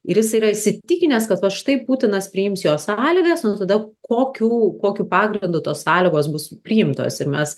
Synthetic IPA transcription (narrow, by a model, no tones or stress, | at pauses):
ɪɾjɪs̬ɐɪiːɾɐɪʃʲsʲɪt̪ʲɪkʲɪnʲɛskɐt̪ʋɐʃt̪ɐɪpuːt̪ʲɪnɐspʲɾʲɪjɪmsjoːsɑːlʲɪɡɐsnʊt̪ɐd̪ɐkoːkʲuːkoːkʲuːpɑːɡɾʲɪnd̪ʊt̪oːssɑːlʲɪɡoːsbʊspʲɾʲiːjɪmt̪o̰ːsɪɾmʲɛs